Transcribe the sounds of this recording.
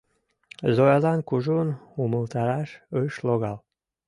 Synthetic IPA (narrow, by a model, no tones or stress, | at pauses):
zojazankuʒunuməlt̪aɾaʃəʃlˠoɣalˠ